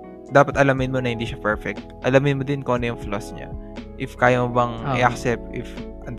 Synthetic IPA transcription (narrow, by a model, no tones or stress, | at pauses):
d̪aːpɐt̪ɐlɐmɪnmonɐhɪnd̪iːʃɐpɛɹfɛk̚t̪̚ʔɐlɐmɪnmod̪ɪnkoːnɛjʊŋflosɲa̰ʔɪfkaːjɐmobɐŋɪ̰ʔɐk̚sɛp̚t̪ʔɪfʔɐn